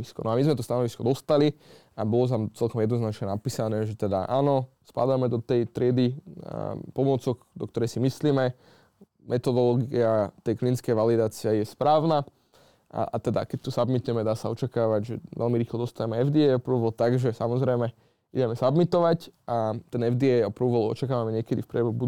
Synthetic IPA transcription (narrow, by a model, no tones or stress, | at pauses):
iskɔnɔamizmɛt̪ɔst̪anɔʋiskɔd̪ɔst̪ali | abɔlɔt̪̬amt͡sɛlkɔmjɛd̪nɔznat͡ʃɲɛnapiːsanɛːʒɛt̪ɛd̪a̰ʔa̰ːnɔ | spa̰d̪amɛd̪ɔt̪ɛjt̪ɾɪɛd̪i | pɔmʊɔt͡sɔɡd̪ɔk̚t̪ɔɾɛjsimisliːmɛ | mʔɛt̪ɔd̪ɔlɔːɡiat̪ɛjklinskɛjʋalid̪aːt͡siɛjɛspɾaːʊna | a̰a̰t̪ɛd̪a̰kɛc̚t̪usabmit̪uɛmɛd̪aːsaɔt͡ʃakaːʋaɟʒɛ̰ʋɛ̰lmiɾiːxlɔd̪ɔst̪aɛmɛɛvd̪iɛɔpɾuːʋɔlt̪aɡʒɛsamɔzɾɛjmɛ | idɛmɛsabmit̪ɔʋacʔat̪ɛnɛvd̪iɛɔpɾuːʋɔlɔ̰t͡ʃakaːʋamɛɲɪɛkɛd̪ifpɾɛbɛubu